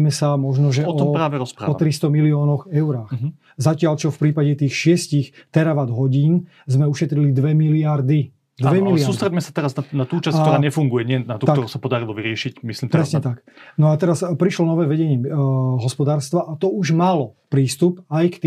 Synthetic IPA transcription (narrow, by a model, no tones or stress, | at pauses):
mɛsamɔʒnɔʒɛɔɾaːʋɛɾɔspɾa̰ɔt̪ɾist̪ɔmiliɔːnɔxɛʊɾaːx | zacɪaʎt͡ʃɔfpɾiːpaɟɛt̪iːxʃɪɛscixt̪ɛɾaʋad̪ɦɔɟiːn | zmɛuʃɛt̪ɾilid̪ʋɛmiliaɾd̪i | d̪ʋɛmiliaɾuːsst̪ɾɛɟmɛsat̪ɛɾaznanat̪uːt͡ʃaskt̪ɔɾaːɲɛfuŋɡujɛɲɪɛnat̪ut̪aɔɾusapɔd̪aɾilɔʋiɾɪɛʃicmisliːmt̪ɾɾɛsɲɛt̪ak | nɔat̪ɛɾaspɾiʃlɔnɔʋɛːʋɛɟɛɲɪɛɦɔspɔd̪aːɾst̪ʋaʔat̪ɔuʒmalɔpɾiːst̪upajkt̪i